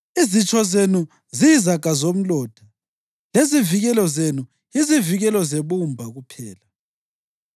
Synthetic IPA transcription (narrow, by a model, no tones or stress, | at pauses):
izit͡ʃʼɔzenu | ziizaɡ̥ʱazom̩lɔːd̥ʱa | leziviɣɛlɔzenu | iziviɣɛlɔzeβumbʱaɣupʰɛːla